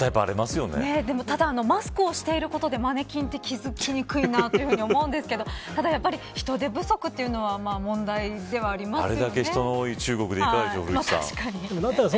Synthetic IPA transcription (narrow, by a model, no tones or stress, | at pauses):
t̪aipɯaɾemasɨjo̞nḛned̪e̞mo̞t̪ad̪aːno̞masɨ̥kɯ̟o̞ɕi̥t̪e̞iɾɯ̟ko̞t̪o̞d̪e̞mane̞kʲĩnt̪e̞kʲizɨkʲiɲ̟ikɯ̟inaːt̪oɨɯ̟ɯ̟ɲio̞mmo̞ɯ̟̃nd̪esɨ̥ke̞d̪o̞t̪ad̪ajapːaɾʲiçi̥t̪o̞d̪e̞bɯ̟so̞kɯ̟t̪ːe̞iɯ̟no̞βamaːmõ̞nd̪aid̪e̞βaːɾʲimasa̰ɾe̞ɨd̪ake̞çit̪o̞nooːit͡ɕɨːɡo̞kɯ̟d̪eikaakʲioɯɾɯ̥t̪a̰ɕi̥kaɲid̪emod̪at̪ːaɾas